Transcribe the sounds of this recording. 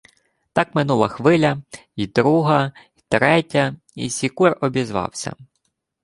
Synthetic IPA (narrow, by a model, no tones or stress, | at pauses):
t̪ɑkmɪnulˠɐxʋɪlʲɐ | id̪ɾuɦɐit̪ɾɛtʲɐ | ḭsʲikurɔbʲizʋɑ̰wsʲɐ̰